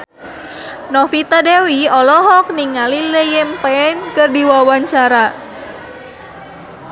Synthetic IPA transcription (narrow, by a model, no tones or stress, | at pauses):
nɔfit̪adewiɔlɔɦɔk̚niŋaliləjɛmpɛɛnkɨrdiwawaɲt͡ʃaɾa